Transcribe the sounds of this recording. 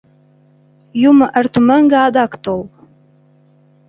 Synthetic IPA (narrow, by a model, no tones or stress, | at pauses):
juməʔərt̪ʰuməŋɡəad̪ɑkt̪olˠ